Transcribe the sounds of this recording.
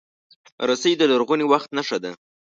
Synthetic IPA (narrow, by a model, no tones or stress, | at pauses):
ɾasəjd̪əlaɾɣuniwaxt̪naʂad̪a